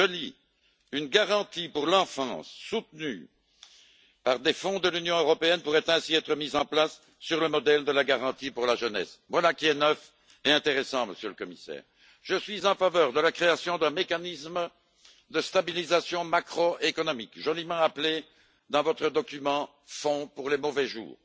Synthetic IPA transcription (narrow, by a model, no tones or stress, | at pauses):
ʒəli | ynɡaʁɑ̃t̪ipuʁlɑ̃fɑ̃sːut̪ny | paʁd̪efɔ̃d̪əlynjɔ̃øʁɔpeɛnpuʁɛt̪ɛ̃siɛt̪χəmizɑ̃plasː | yʁləmɔd̪ɛld̪əlaɡaʁɑ̃t̪ipuʁlaʒənɛ̰svwalakʲiɛnœf | eɛ̃t̪eʁɛsɑ̃məsjøləkɔmisɛ̰ːʁ | ʒ̥əsɥizɑ̃favœːʁd̪əlakχeasjɔ̃d̪ɛ̃mekanism | d̪əst̪abilizasjɔ̃makχoekɔnɔmikʒɔlimɑ̃aple | d̪ɑ̃vɔt̪χəd̪ɔkymɑ̃ | fɔ̃puʁlɛmɔvɛʒṵːʁ